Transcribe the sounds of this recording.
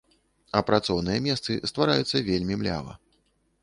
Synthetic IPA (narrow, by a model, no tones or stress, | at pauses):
ɐpɾat̪sɔwnɨjɐmʲɛst̪sɨst̪vaɾajut̪sːɐvʲelʲmʲimlʲa̰vɐ̰